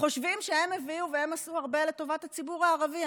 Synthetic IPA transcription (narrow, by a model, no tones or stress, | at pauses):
χo̞ʃvimʃehe̞meviuvehe̞masuaʁbe̞le̞to̞vathat͡sibuʁaːʁavi